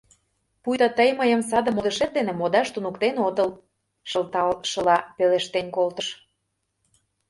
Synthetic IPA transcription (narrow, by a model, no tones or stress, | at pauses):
pujd̪ɑt̪əjməjə̆ms̬ɑd̪ə̆mod̪əʃet̪̚d̪enĕmod̪ɑʃt̪unukt̪enod̪əl | ʃəlt̪ɑlʃəlɑpeleʃt̪enʲkolt̪əʃ